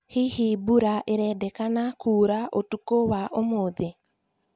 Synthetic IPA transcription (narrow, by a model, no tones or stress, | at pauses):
hihibuɾaʔeɾɛːdɛkanakuːɾaʔotukowaʔomoðe